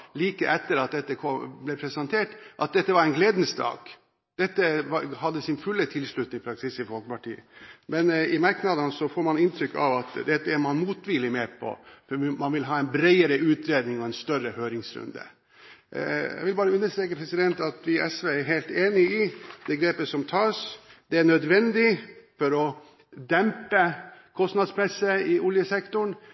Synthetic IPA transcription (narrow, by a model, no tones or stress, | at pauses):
liːkəʔɛt̪ːəɾɑt̪̚d̪ɛt̪ːəkʰɔblɛpʰɾɛsɛnt̪ʰeːʈʔɑt̪̚d̪ɛt̪ːəʋɑɾɛɪnɡleːd̪n̩sd̪ɑ̰ːɡ̥ | d̪̥ɛt̪ːəʋɑhɑd̪ːəsɪnfʉlːət̪ʰɪlʂɭʉt̪nɪŋpʰɾɑksɪsɪfɔlkəpɑʈḭːə̰mɛnɪmɑɾknɑd̪ənsɔfoːɾmɑnɪnt̪ʰɾʏkːɑ̰ʋɑt̪d̪ɛt̪ːəæɾmɑnmuːt̪ʋɪlːɪmeːpʰɔ̰fɔmɑnʋɪlɦɑːɛɪnbɾeɪəɾəʉːt̪ɾeːd̪nɪŋɔɛnst̪œrəhøːɾɪŋsɾʉ̰nd̪ə̰ | jæ̰ɡʋɪlbɑːɾəʉnːəʂt̪ɾɛːkəpʰɾɛsɪd̪ɛnt̪ɑt̪ʋɪʔɛsʋeːæɾɦeːlt̪eːnɪɪd̪̥ɛɡɾeːpəsɔmt̪ʰɑːsd̪̥ɛæɳœd̪ʋɛnd̪ɪfɔɾɔ | d̪ɛmpəkʰɔst̪nɑd̪spʰɾɛsːəɪʔʊljəsɛkt̪ʊɳ